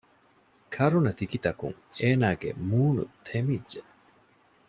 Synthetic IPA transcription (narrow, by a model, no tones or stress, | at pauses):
kʰɐɾunɐt̪ikit̪ɐkṵŋ | eːnaːɡḛmuːnṵt̪ʰemidʒe